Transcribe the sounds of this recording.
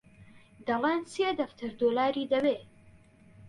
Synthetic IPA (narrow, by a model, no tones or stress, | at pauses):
d̪ɐleːnseːd̪ɐft̪ʰɨɾd̪oːlaːɾiːd̪ɐbeː